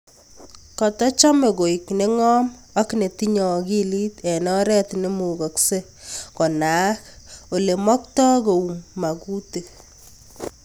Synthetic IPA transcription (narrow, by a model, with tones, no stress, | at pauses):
kɔ˨tɔ˦t͡ʃɔ˦me˨ɡo˨i˨kne˦ŋɔ˦m | a˦kne˨ti˦ɲɔ˨ki˦li˦tɛ˨nɔ˦ɾɛ˦tne˦mu˨ɡɔ˨kse˦ | kɔ˨na˦k | o˨le˨mɔ˦ktɔ˦ko˨u˨mːa˨ku˦te˨